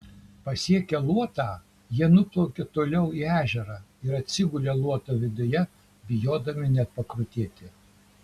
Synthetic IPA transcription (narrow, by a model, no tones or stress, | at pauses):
pɐsʲiɛkʲɛlˠuɔt̪ɑː | jiɛnʊplˠoːkʲɪt̪oːlʲɛʊiæːʒʲɛɾɑɪɾɐt̪ʲsʲɪɡʊlʲelˠuɔt̪oːʋʲɪd̪ʊjɛ | bʲɪjoːd̪ɐmʲɪnʲɛtpɐkɾʊt̪ʲeːt̪ʲɪ